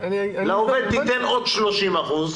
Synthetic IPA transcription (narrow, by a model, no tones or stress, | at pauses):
laoved̪̚bit̪enod̪ʃlo̞ʃimaχuz